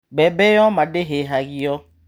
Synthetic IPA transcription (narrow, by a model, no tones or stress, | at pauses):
bɛbɛjɔmãdeɦeɦaɡijɔ